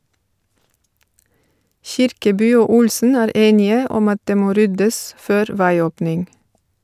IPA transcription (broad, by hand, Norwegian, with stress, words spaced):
ˈçɪɾkəˌbyː ˈoː ˈʊlsn̩ ˈæːɾ ˈeːnɪə ˈɔm ˈɑt ˈdeː ˈmoː ˈɾʏdəs ˈføːɾ ˈʋæɪˌoːpnɪŋ